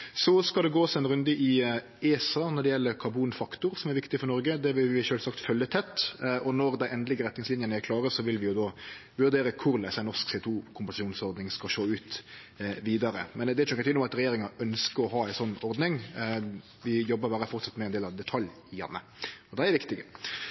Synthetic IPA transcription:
sɔskɑld̪ɛɡoːsɛɪnɾʉnd̪əʔɪ | eːsɑːnɔɖ̪ɛjɛlːəkʰɑɾbuːnfɑkt̪ʊɾsɔmæɾʋɪkt̪ɪfɔɾnɔɾɡəd̪ɛʋɪlʋɪʃøːlsɑkt̪fœlːət̪ʰɛt̪ːɔnɔɾd̪æɪʔɛnd̪lɪɡəɾɛt̪nɪŋslɪnjənəæɾkʰlɑːɾəsɔʋɪlʋɪjʊd̪ɔːʋʉɾd̪eːɾəkʰʊɾlæɪsɛnɔʂksɛʊt̪ʰuːkʰʊmpɑnsɑʃuːnsɔɾd̪nɪŋskɑʃoːʉːt̪ | ʋiːd̪ɑɾə̰mɛnd̪ɛt͡ʃːɡt̪ɪnːʊmɑt̪ɾɛjeːɾɪŋɑʔœnskəɾɔɦɑːæɪsɔnːɔɾd̪nɪŋ | ʋɪjɔbːəɾbæːɾəfɔʁt̪sɑt̪mɛɛnd̪eːlɑʋd̪ɛt̪ʰɑljɪjɛ̰nːə̰ | ɔd̪ɛɛɾʋɪkt̪ɪɡə

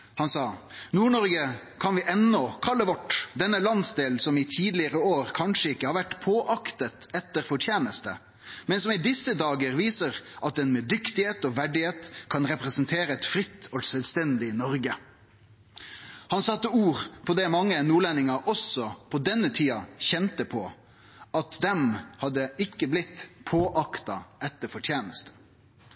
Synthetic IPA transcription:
hɑnsɑːnuːɳɔɾɡə | kʰɑnʋɪʔɛnːɔkʰɑlːəʋɔʈd̪ɛnːəlɑnsd̪eːlsɔmɪt̪ʰiːd̪lɪəɾəoːɾkʰɑnʂəɪkːəhɑɾʋæʈpʰoːʔɑkt̪ət̪ɛt̪ːəɾfɔʈʰjeːnəst̪ə̰ | mɛnsɔmɪd̪ɪsːəd̪ɑːɡəɾʋiːsəʁʔɑt̪̚d̪ɛnmɛd̪ʏkt̪ɪheːt̪ɔʋæɖɪeːt̪kʰɑnɾɛpɾɛsənt̪ʰeːɾəɛt̪fɾɪt̪ʰːɔsœlst̪ɛnd̪ɪnɔɾɡə | hɑnsɑt̪ːəuːɾpʰɔd̪ɛmɑŋːənuːɭɛnɪŋɑʔɔsɔpʰɔd̪ɛnːət̪ʰiːɑçɛnt̪əpʰɔ | ʔɑt̪d̪ɛmhɑd̪ːəɪkːəblɪt̪ːpʰoːʔɑkt̪ɑɛt̪ːəɾfɔʈʰjeːnəst̪ə̥

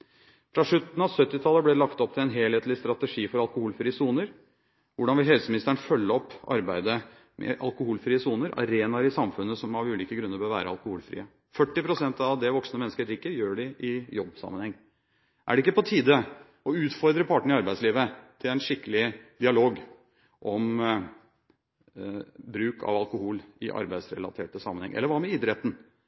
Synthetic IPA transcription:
fɾɑʂɭʉt̪n̩ɑʋsœt̪ːɪt̪ʰɑlːəblɛlɑkt̪ɔp̚t̪ʰɪlɛnɦeːlheːt̪lɪst̪ɾɑt̪əʂiːfɔɾɑlkʊhuːlfɾiːəsuːnəɾ | ʋʊɖɑnʋɪlɦhɛlsəmɪnɪst̪æɳfœlːəɔpːɑ̰ɾbæɪd̪ə | mʔɛ̰ʔɑ̰lkʊhuːlfɾiːəsuːnəɾʔɑ̰ɾeːnɑɾɪsɑmfʉnːəsɔmɑʋʉːliːkəɡɾʉnːəɾpɔʋæ̰ːɾəɑ̰lˠkʊhuːlfɾḭːə | fœʈːɪpʰɾʊsɛnt̪ɑʋd̪ɛʋɔksnəmɛnəskəɾɪkːəɾjøːɖɪʔɪjɔbsɑ̰mənhɛŋː | ʔæ̰ɖɛɪkːəpʰɔt̪ʰiːd̪ə | ɔʉːt̪fɔɾd̪ɾəpʰɑʈəɳ̩ɪɑɾbæɪsliːʋət̪ʰɪlæɪnʂɪkːəlɪd̪̥ɪɑloːɡ | ʔɔm | bɾʉːkʰɑ̰ʋɑlkʊhuːlɪ̰ʔɑ̰ɾbæɪsɾɛ̰lɑ̰t̪ʰeːʈəsɑmːənhɛ̰ŋʔɛ̰lːəɾʋɑːmɛɪd̪ɾɛt̪n̩

